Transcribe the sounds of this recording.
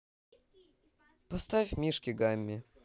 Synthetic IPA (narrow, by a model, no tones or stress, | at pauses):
pɔst̪afʲmʲiʂkʲiɡamʲːi